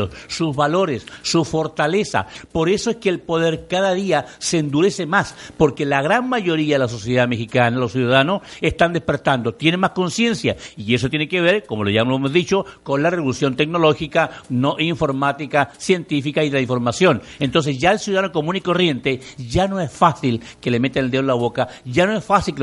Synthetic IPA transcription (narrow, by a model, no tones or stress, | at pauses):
ossuzβalo̞ɾesːufo̞ɾt̪ale̞sa̰po̞ɾe̞soeskeːlpo̞ðe̞ɾkaðaðiasend̪uɾe̞se̞maspo̞ɾke̞laɣɾanmaʝo̞ɾiaðelas̬o̞sjeðamexikanalosjuðaðanose̞st̪and̪e̞spe̞ɾt̪and̪o̞t̪jenenmaskonsje̞nsjaie̞sot̪jeneke̞β̞e̞ɾko̞mo̞loʝamloemozðit͡ʃo̞ko̞nlareβolusjo̞nt̪e̞k̚no̞lo̞xikano̞ʔiɱfo̞ɾmat̪ikasje̞nt̪ifikaiðelaiɱfo̞ɾmasjo̞nent̪o̞ns̬e̞sʝaelsjuðaðanoko̞mũniko̞rje̞nt̪e̞ʝano̞esfasilke̞le̞me̞t̪eneld̪eolaβo̞kaʝano̞e̞sfasilk